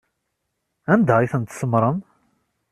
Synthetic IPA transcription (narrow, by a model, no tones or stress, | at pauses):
ænd̪æiθənt̪səmɾˤəm